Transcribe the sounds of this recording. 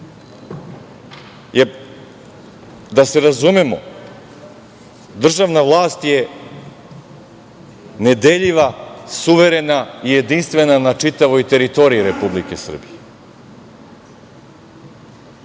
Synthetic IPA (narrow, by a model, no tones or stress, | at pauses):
je | d̪aseɾazumemo̰ | d̪r̩ʒavnavlˠaːst̪je | ned̪eʎiʋasuʋeɾenaijed̪inst̪venanat͡ʃit̪aʋojt̪eɾit̪o̞ɾiiɾepublikesr̩bije